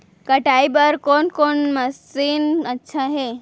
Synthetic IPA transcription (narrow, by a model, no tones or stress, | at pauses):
kəʈajbəɾkonkoɳməsiːnətːɕʰaɦe